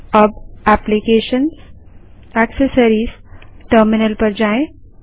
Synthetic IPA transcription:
əbæplikeːʃəns | æksəsəɾiːsʈəɾmɪnəlpəɾd͡ʒaːẽ

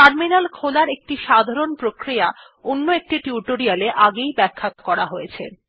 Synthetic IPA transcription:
kaɾminalkʰolaɾek̚ʈiʃad̪ʱaɾonpɾokɾija | onːoek̚ʈiʈiuʈoɾialeʔaɡejbɛkʰːakɔɾaɦojet͡ɕʰḛ

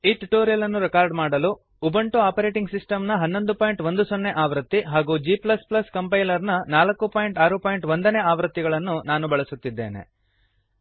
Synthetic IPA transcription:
iːʈuʈoːɾijɐlɐnːuɾɛkaːɾɖmaːɽɐlu | ubɐɳʈuaːpɐɾeːʈiŋɡsisʈɐmnɐɦɐnːo̞nd̪upaːjɳʈʋond̪usonːeʔaːʋɾɐt̪ːiɦaːɡuːd͡ʒiplɐsplɐskɐmpɐjlɐɾnɐnaːlɐkːupaːjiɳʈaːɾupaːjɳʈʋond̪ɐneːaːʋɾɐt̪ːiɡɐɭɐnːunaːnubɐɭɐsut̪ːid̪ːeːne̞̰

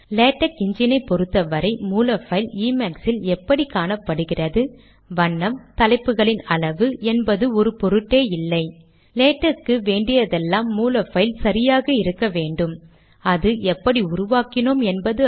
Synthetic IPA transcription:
leːʈːɐkɪɲd͡ʒɪnɐɪpːɔɾɯt̪ːɐʋɐɾɐɪmuːlɐfɐɪliːmɐksɪlɛpːɐɽikaːɳɐpːɐɽɯɣɪrɐðɯ | ʋɐɳːɐmt̪ɐlɐɪpːɯɣɐɭɪnɐɭɐʋɯʔɛnbɐðɯɔɾɯpɔɾɯʈːeːɪlːɐɪ | leːʈːɐɾkːɯʋeːɳɖɪjɐðɛlːaːmːuːlɐfɐɪlsɐɾɪjaːɣɐɪɾɯkːɐʋeːɳɖɯm | ɐðɯɛpːɐɽiʊɾʊʋaːkɪnoːmɛnbɐðɯ

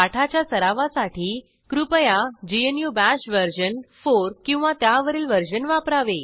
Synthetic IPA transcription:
aʈʰat͡ɕjasəɾaʋasaʈiː | kɾupəjad͡ʑienjubæɕʋəɾɕənfoɾkĩw̃ʋat̪jaʋəɾiːlʋəɾd͡ʑənʋapɾaʋe

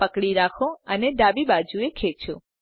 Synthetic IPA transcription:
pəkɽiɾakʰõəneɖ̪abibad͡ʒuekʰet͡ʃʰõ

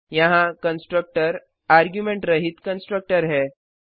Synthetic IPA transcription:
jãɦãkənsʈɾək̚ʈəɾ | aɾɡjumeɳʈɾəɦiːt̪kənsʈɾək̚ʈəɾɦɛ

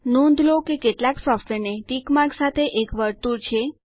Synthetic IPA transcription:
nõnd̪ʱlokekeʈlaksɔfʈʋeɾneʈikmaɾksat̪ʰeʔekʋəɾt̪uɾt͡ʃʰe

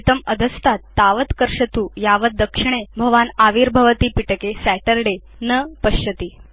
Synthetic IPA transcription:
t̪əməd̪ʱəst̪at̪ːaʋət̪kəɾʂət̪uːjaʋəd̪əkʂiɳ̃ebʱəʋanaʋiɾbʱəʋət̪iːpiʈəkesæʈəɾɖe | nəpəɕət̪iː

